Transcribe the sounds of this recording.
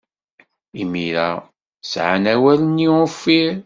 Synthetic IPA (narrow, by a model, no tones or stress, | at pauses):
imiɾæ̰ | sʕanæwælənːiwəfːiɾ